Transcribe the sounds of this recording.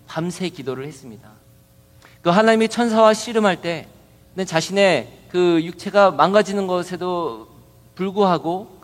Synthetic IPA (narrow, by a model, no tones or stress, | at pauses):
pamsʰe̞kidoɾɯɭhes͈ɯmɲida | toɦanaɲimit͡ɕʰʌns̬ʰawaɕʰiɾɯmɦaɭt͈e̞ | nɯnt͡ɕaɕʰine̞kɯjuk̚t͡ɕʰe̞ɡamaŋɡad͡ʑinɯnɡʌsʰe̞do | puɭɡuɦaɡo